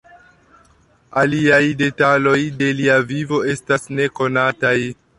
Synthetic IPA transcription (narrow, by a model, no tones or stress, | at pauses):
aliajde̞talo̞jde̞liavivo̞e̞stasne̞ko̞nataj